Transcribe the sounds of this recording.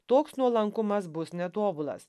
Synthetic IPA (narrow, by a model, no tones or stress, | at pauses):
t̪oːksnuɔlˠɐŋkʊmɐsbʊsnʲɛt̪oːbʊlˠɐ̰s